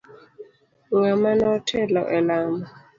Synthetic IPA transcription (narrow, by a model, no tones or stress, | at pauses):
ŋamanɔtʰɛlɔʔɛlaːma